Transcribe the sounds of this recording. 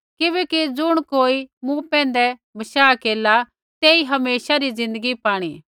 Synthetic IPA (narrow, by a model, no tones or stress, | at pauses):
kɪʋɛːkid͡zʊɽ̃koːimũpɛ̃ːn̆d̪ɛbɐʃaːkeːla | t̪eːiɦɐmeːʃaɾizɪ̃nd̪əɡipaːɽ̃iː